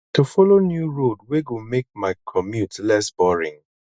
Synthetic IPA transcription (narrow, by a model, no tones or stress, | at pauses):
tufɔlonjuɹod̚weɡumek̚maɪkʰɔmjutlɛsbɔɹḭ̃ŋ